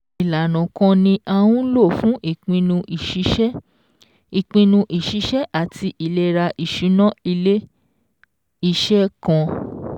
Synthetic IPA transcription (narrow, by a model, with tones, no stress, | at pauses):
i˨la˨nɔ̃˨kɔ̃˧nĩ˧ʔa˧wũ˦lo˦˨fũ˦ʔi˦˨k͡pĩ˧nũ˧ʔʃi˨˦ | i˨k͡pĩ˧nũ˧ʔi˨ʃi˨˦ʃɛ˦ʔa˦˨ti˧ʔi˨lɛ˦ɾa˧ʔi˨ʃu˨˦nã˦i˧le˦ | i˧ʃɛ˦kã˧